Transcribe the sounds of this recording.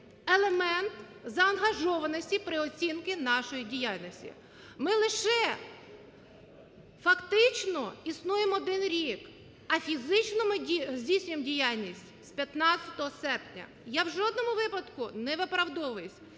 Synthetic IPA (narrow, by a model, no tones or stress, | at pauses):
elˠemɛnt̪ | zɐɐnɦɐʒɔʋɐnɔsʲtʲipɾɪɔt͡sʲinkɪnɑʃɔjidʲijalʲnɔsʲtʲḭ | mɪlˠɪʃɛ | fɐkt̪ɪt͡ʃnɔisnujemɔd̪ɪnɾʲik | ɐfʲizɪt͡ʃnɔmɪizʲdʲijsʲnʲʊjemdʲijalʲnʲisʲtʲspʲjɐt̪nɑt͡ssʲɐt̪ɔɦɔsɛrpnʲɐ̰ | jawʒɔd̪nɔmʊʋɪpɐd̪kʊnɛʋɪpɾɐwd̪ɔʋɔjʊsʲ